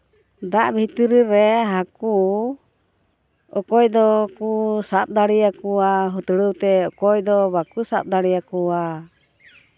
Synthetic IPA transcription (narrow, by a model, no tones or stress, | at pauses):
d̪aʔbʱit̪iɾiɾɛɦaku | ɔkɔjd̪ɔkusap̪̚d̪aɽijakuaɦut̪ɽəwt̪ɛɔkɔjd̪ɔbakusap̪̚d̪aɽijakua